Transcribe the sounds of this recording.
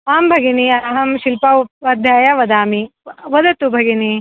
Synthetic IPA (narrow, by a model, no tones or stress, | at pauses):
aːmbʱɐɡiniɐɦɐmʃilpɐupɐːd̪ʱjaːjɐʋɐd̪aːmiʋɐd̪ɐt̪ubʱɐɡini